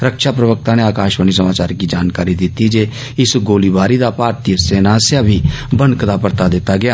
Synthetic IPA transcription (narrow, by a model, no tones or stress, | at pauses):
ɾəkʃaːpɾəʋək̚t̪ãːneːaːkaːʃʋəniːsəmaːt͡ʃaːɾkiːd͡ʒaːnkaːɾiːd̪ɪt̪ːiːd͡ʒeː | ɪsɡoːliːbaːɾiːd̪aːpaːɾt̪iːəseːnaːsjaːbʱiːbənkd̪aːpəɾt̪aːd̪ɪt̪ːaːɡɪaː